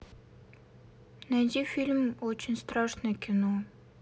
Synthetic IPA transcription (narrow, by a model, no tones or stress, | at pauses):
næd͡ʑifʲilʲmot͡ɕɪnʲst̪ɾɑʂnəkʲʰɪno